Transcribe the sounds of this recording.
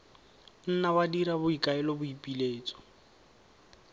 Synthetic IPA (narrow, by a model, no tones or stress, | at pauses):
n̩nawadiɾabʊikʼaɛlɔbʊipʼileːt͡sʼɔ̥